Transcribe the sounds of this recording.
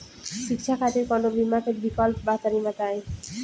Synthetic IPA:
ʃikt͡ɕʰakʰat̪eɾkɔnobimakʰetbikɔlpbat̪aɾimat̪ae

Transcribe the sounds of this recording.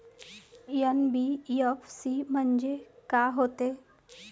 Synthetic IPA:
jənbiəfsiːmənd͡ʒekaːɦoːt̪eː

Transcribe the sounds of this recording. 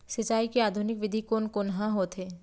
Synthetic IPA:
sɪt͡ʃaːikeaːd̪ʱunɪkʋɪd̪ʱikoːnkonɦãɦoːt̪ɦeː

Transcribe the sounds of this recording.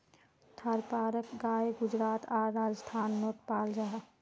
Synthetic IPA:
t̪ʰəɾpaːɾəkɡaːeɡʊd͡ʒɾaːt̪ʰaːɾːaːd͡ʒəst̪ʰaːnmoːʈ̪paːld͡ʒaɦ

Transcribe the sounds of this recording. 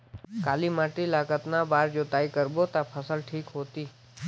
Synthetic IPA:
kalimaʈilakət̪nabaɾd͡ʒot̪aikəɾbot̪apʰəsəlʈʰikɦot̪i

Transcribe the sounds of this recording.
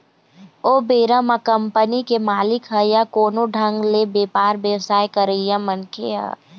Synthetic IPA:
oːbeːɾəmakəmpənikemaːlɪkɦɛjakoːnoɖʱə̃ŋɡlebeːpaːɾbjəwsaːjkəɾəjãmənkeɦɛ̰

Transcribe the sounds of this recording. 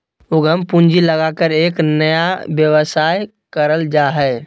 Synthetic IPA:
uɡʱəmpũnd͡ʒiləɡakəɾeːknəjabjəwsaj | kəɾəld͡ʒaɦɛ

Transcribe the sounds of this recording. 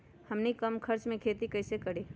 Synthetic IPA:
həmnikəmkʰəɾt͡ʃmẽkʰeːt̪ikɐɪsekəɽiː

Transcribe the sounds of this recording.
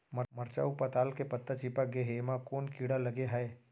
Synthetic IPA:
məmɐɾt͡ʃa̰ːupɐt̪aːlkepɐt̪ːət͡ʃipaɡeɦeːmakoːnkiːɽalɐɡeɦɛe

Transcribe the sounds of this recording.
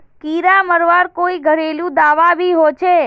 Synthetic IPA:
kiɾaməɾʋaɾkoiɡʱəɾeljũd̪aʋaʋiɦot͡ʃʰe

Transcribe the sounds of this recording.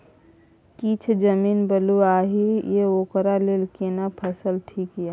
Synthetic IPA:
kit͡ʃʰd͡ʒəminbəluaɦijeokɾalelkenapʰəsəlʈʰikjɛ

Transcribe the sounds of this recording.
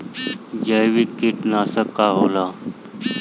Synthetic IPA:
d͡ʑəjʋikiʈnasəkːaɦola

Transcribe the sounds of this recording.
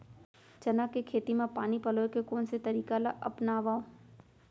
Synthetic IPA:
t͡ʃɐnakekʰeːt̪imẽpaːnipɐlokekoːnset̪ɐɾiːkalaʔɐ̰pnaːʋaːõ

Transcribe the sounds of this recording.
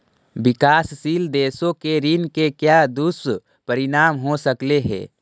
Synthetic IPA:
bɪkaːssiːld̪eːsõkeɾinkekjad̪us | pəɾinaːmɦosəkleɦɛ̰ː

